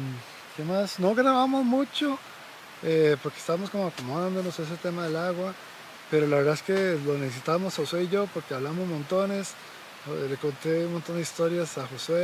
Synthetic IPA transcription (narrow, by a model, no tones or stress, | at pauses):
kemasno̞ɣɾaβamo̞zmut͡ʃo | epo̞ɾkest̪aβamo̞skomoakomðand̪onoses̬et̪e̞maðe̞laɣwa | pe̞ɾo̞laβɾðaeske̞loneses̬it̪aβamosaxosweiʝo̞poɾkeaβlaβmozmõnt̪o̞ne̞s | leko̞nt̪e̞unmont̪o̞nd̪eist̪o̞ɾjasaxoswe